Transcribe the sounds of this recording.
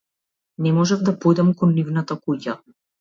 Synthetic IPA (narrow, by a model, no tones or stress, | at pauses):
nɛmɔʒɛvd̪apojd̪amkɔnːivnat̪akuca̰